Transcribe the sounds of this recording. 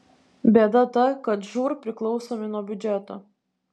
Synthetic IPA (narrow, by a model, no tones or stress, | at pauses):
bʲɛːd̪ɐt̪ɐkɐt̪ʒuːɾpʲɾʲɪklˠɒʊsoːmʲɪnuɔbʲʊd͡ʒʲɛt̪oː